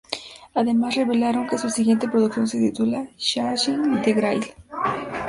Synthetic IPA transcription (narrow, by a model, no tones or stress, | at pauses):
aðemasreβelaɾoŋkesuasiɣjent̪epɾoðukθjoŋset̪it̪ulaʃaɾʃend̪eɣɾajl